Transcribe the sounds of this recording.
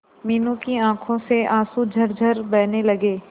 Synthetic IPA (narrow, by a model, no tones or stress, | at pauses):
miːnũkiãːkʰõseʔaːsud͡ʒʱɐɾd͡ʒʱɐɾbɛːnelɐɡeː